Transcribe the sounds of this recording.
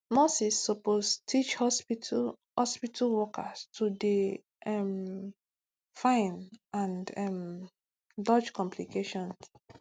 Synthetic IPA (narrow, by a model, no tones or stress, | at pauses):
mosisːɔposttʰit͡ʃhɔspi | hɔspitʰalwɔkastʰude | ʔɛm | fãɪ̃nãndɛm | dɔd͡ʒkɔ̃mpʰlikeʃɔ̃ns